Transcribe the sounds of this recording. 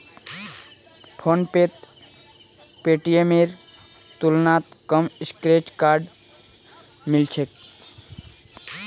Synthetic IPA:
pʰonpet̪ | peʈiemeɾ | t̪ulnat̪kəmiskɾeʈkaɾɖ | milt͡ʃʰek

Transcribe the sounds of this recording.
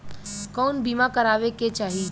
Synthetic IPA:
kɔːnbiːmakəɾaːʋeket͡ʃaːɦi

